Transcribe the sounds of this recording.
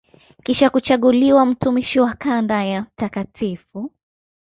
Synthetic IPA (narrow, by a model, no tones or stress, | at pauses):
kiʃakut͡ʃaɠuliwam̩tumiʃiwakandajam̩takatʰifu